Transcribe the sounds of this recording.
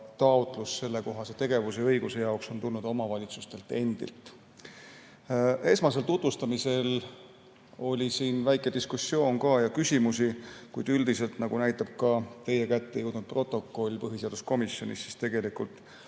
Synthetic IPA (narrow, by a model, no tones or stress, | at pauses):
t̪ɑut̪ˑlusse̞lːe̞ko̞ɦɑset̪e̞ɡ̥e̞vuse̞ɤ̞jɡuse̞jɑokso̞nt̪ulnud̪o̞mɑvɑlʲit̪sust̪e̞lt̪e̞nd̪̥ḭlt̪ːˑ | e̞smɑs̬e̞lt̪ut̪vust̪ɑmise̞l | o̞lʲisiːnvæjkˑe̞d̪̥iskusːio̞ːnkɑjɑkysʲimusikujd̪̥yld̪ise̞lt̪nɑɡunæjt̪ːˑɑb̥̚kɑt̪e̞je̞kæt̪ːe̞juwd̪nud̪̚prʔo̞t̪ːˑo̞kːˑo̞lʲpɤɦise̞ɑd̪̥usko̞misːo̞nḭsːi̥st̪e̞ɡe̞likult̪ˑ